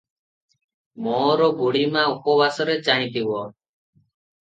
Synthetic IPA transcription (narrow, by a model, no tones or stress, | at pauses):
mɔːɾɔɡuɽimãupɔbasɔɾet͡ʃaɦĩt̪ibɔ